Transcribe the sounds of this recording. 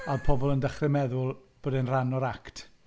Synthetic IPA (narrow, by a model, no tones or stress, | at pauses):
alˠpʰɔbɔlˠəndəχrɪmɛðʊlˠb̥oːdɛnranɔɾaktʰ